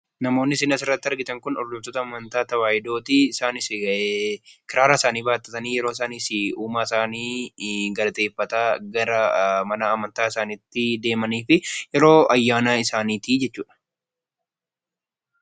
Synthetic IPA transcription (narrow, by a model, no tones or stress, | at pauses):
nɐmo̞ːnːɪsɪnɐsɪrːɐt̪ːɪɐɾɡɪt̪ɐŋkʊnɔɾd̪ʊft̪ɔt̪ɐːmɐnt̪aːt̪ɐwaːjɪd̪o̞ːt̪iɪsaːnɪsɪekɪɾaːɾaːɪsaːniːbaːt̪ːɐt̪ɐniːjɛɾoːɪs̬aːniːsɪuːmaːɪsaːniːɡɐlɐt̪e̞ːfːɐt̪aːɡɐɾɐmɐnaːmɐnt̪aːɪsaːniːt̪ːɪd̪e̞ːmɐniːfɪjɛɾo̞ːʔɐjːaːnaːɪsaːniːt̪iːd͡ʒɛt͡ʃːuːᶑɐ̥